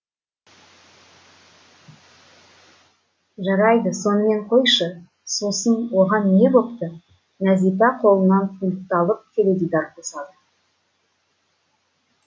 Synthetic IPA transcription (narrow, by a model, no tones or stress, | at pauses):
ʒɑɾɑjd̪əso̞nəme̞ɴqʰo̞jʃə | so̞sənwo̞ʁɑnːe̞bo̞pt̪ə | næzijp̪ɑqʰo̞lˠənːɑnfulʲkt̪ɑlˠəp̚t̪ʲʰeɾed̪id̪ɑɾqʰosɑd̪ə